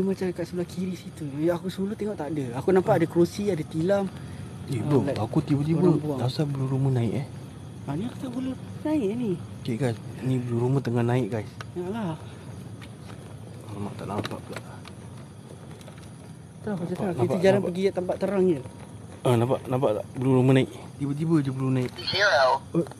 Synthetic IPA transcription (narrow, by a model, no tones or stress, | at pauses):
imat͡ʃakaʔsəbulahkʰiɾisit̪uakusəulut̪eŋɔʔt̪aːdəakunampaʔadəkɾusiadət̪ilam | t̪ibəlaakut̪ibət̪̬ibəbualasabəluɾumənaɪ̰ʔah | aniakut̪aʔbəlunaɪʔnikeʔɡajsnibəluɾumət̪əŋahnaɪʔɡajsjaʔla | ama̰ʔt̪a̰ʔnampa̰ʔbəlaʔ | t̪ɔhaanaəd͡ʒalanpəɡiat̪ampaʔt̪əɾaŋjəl | ənapaʔnapaʔt̪aʔbəluɾumənaɪʔt̪ibət̪̬ibəd͡ʒəbəlunaɪʔaw